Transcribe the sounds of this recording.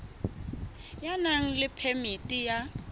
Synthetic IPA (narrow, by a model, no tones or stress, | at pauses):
janaŋ̩lɪpʰemitʼija